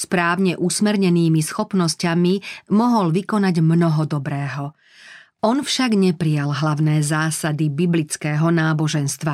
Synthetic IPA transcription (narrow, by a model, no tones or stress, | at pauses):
spɾaːʊɲɛʔusmɛɾɲɛniːmisxɔpnɔscamimɔɦɔlʋikɔnaɟmnɔɦɔd̪ɔbɾɛːɦɔ | ɔnfʃaɡɲɛpɾijalɦlaʊnɛːzaːsad̪ibiblit͡skɛːɦɔnaːbɔʒɛnst̪ʋa